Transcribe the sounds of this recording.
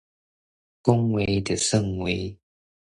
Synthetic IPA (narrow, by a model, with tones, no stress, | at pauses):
kʊ˦˥ŋwe˨˧˦jd̪ə˨˩sə˥˧˨ŋwe˨˦